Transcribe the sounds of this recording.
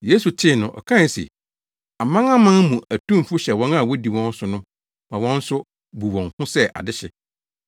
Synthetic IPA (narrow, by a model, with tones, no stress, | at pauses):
jeː˦su˨tʰɪ˦˨nʊ̃˨ʔɔ̰˨kʰã˦˨sḛ˨ | a˨mã˦ŋã˦mã˦mũ˨æ˨tʰũ˦m˨fʊ˦ɕɛ˨wɔ̃˦na˦˨wɔ˦di˨wɔ̃˦n̩˦sʊ˨nʊ̃˦ | mã˨wɔ̃˦n̩˦sʊ˦ | bu˨wɔ̃˨ŋhʊ̃˦sɛ˦ʔa̰˨dɪ˦ɕɛ̰˨